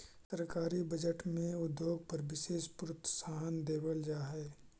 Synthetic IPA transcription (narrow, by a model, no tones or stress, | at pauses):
səɾkaːɾibɐd͡ʒəʈmẽʊd̪joːɡ̚pɐɾʋɪʃeːʃpʊɾʊt̪ːə̥saːɦənd̪eːbəld͡ʒaːɦɛː